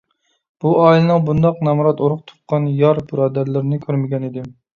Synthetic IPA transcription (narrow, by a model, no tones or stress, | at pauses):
b̥uɑilˠɨnɨŋbund̪ɑqnɛmɾɑt̪oɾʊqt̪ʰʊ̥qqːɑnjɑɾbɨɾɑd̪æɾlɪɾnɪkʲʰøɾmɪɡʲɛnɪd̪ɪ